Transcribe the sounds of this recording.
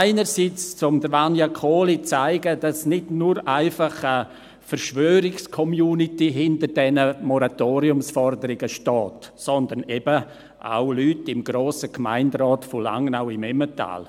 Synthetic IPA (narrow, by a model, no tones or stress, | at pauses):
aɪnəɾsiːt͡st͡sʊmdəvanjakʰoːlit͡saɪɡəd̥ɑsnɪdnuɾaɪfɑχə | fəɾʃʋøːɾɪkskʰɔmjuːnitiɦɪntəɾdɛnəmɔɾatoːɾiʊmsfɔrdəɾɪɡəʃtɔːtsɔnd̪ənɛbə | ʔa̰ʊlyːtɪmɡ̥ɾoːsəkma̰ɪndɾɔːtfɔla̰ŋnaʊɪmɛməta̰ːl